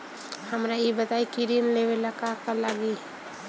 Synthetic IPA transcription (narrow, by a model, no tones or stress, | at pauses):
həmɾaibət̪aikiɾinlewelakakalaɡi